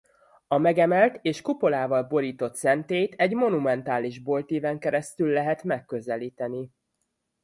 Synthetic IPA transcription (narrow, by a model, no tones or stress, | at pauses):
ɒmɛɡɛmɛlt̪eːʃkupo̞laːvɒlbo̞ɾiːt̪o̞t̪sɛnt̪eːjt̪ɛɟmo̞numɛn̪t̪aːliʒbo̞lt̪eːvɛŋkɛɾɛst̪ylːɛɦɛt̪mɛkːøzɛliːt̪ɛni